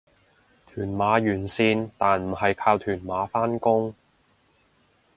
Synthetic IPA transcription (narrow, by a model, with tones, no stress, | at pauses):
t̪ʰyː˨˩nmaː˨˥jyː˨˩nsiː˧nt̪aː˨nm̩˨˩hɐ˨jkʰaː˧wt̪ʰyː˨˩nmaː˨˧˥faː˥nkʊ˥ŋ